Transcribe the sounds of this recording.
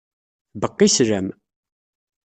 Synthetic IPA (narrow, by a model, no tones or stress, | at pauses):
bəqːisɾæm